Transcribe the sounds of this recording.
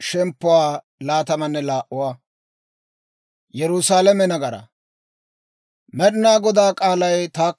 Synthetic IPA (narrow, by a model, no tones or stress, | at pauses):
ʃɛmpːʊwaː | laːt̪ɐmɐnːɛlaːʔːʊwaː | jɛɾʊsaːlɐmɛnɐɡɐɾɐ̰ | mɛɗɪnaːɡɔd̪aːkʼaːlɐjt̪aː